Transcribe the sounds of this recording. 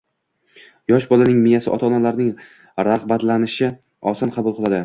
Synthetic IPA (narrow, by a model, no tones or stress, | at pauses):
jɒʃ̬bɒlanɪŋmɪjasɪʔɒ̰t̪ʰɒnalaɾnɪŋ | ɾaʁbat̪lanɪʃɪ | ɒsɒnqʰɑbʊlˠqʰɨlˠad̪ɪ